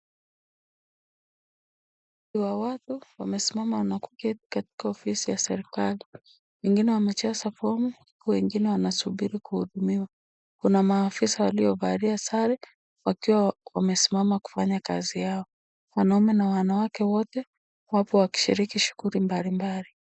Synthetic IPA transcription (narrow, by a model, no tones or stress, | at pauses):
iwawatuwamɛsimamawanaku̥kɛti̥kati̥kaɔfisijasɛɾikali | wɛŋɡinɛwamɛt͡ʃasafɔmu | wɛŋɡinɛwanasuɓiɾikuhuɗumiwa | kunamaːfisawaliɔvaɾiasaɾɛ | wakiwawamɛsimamaku̥faɲaka̰zijaɔ | wanaumɛnawanawakɛwɔtɛ | wapɔwaki̥ʃiɾikiʃu̥ɣuɾimbalimbali